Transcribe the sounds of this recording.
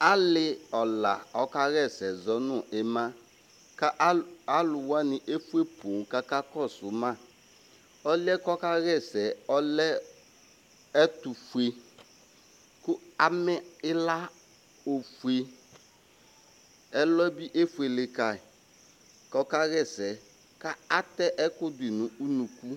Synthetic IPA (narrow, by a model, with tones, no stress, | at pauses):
a˦lɪ˦ɔ˨la˨ɔ˦ka˦ɣɛ˦˨sɛ˨zɔ˦nʊ̃˦˨ʔe˨ma˦ | ka˦ʔa˦lʊ˨wa˦nɪ˨ʔe˦fe˦po˨n˨ka˦ka˦kɔ˦˨sʊ˨ma˦˨ | ɔ˦lɪ˦ɛ˦kɔ˦ka˦ɣɛ˦˨sɛ˨ɔ˦lɛ˦ | ɛ˦tu˨fu˨e˨ | kʊ˦a˨mɛ˦ɪ˦la˦ | o˨fu˨e˨ | ɛ˦lɔ˦bi˦ʔe˦fu˨e˨lɪ˨ka˨ | kɔ˦ka˦ɣɛ˦˨sɛ˨ | ka˦a˦t̪ɛ˦ʔɛ˦kʊ˦dɪ˨nʊ̃˨u˦nũ˨ku˦